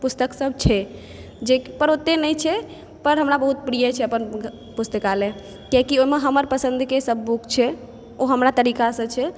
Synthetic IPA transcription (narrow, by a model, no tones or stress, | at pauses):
pust̪əksəb̚ʱt͡ʃʰɛ | d͡ʒepəɾot̪ːenəjt͡ʃʰɛ | pəɾɦəmɾabəɦut̪̚pɾijət͡ʃʰɛəpən | pust̪əkale | kekioimeɦəməɾpəsə̃nd̪ʱkesəbʱːukʰt͡ʃʰɛ | oɦəmɾat̪əɾikasə̃t͡ʃʰɛ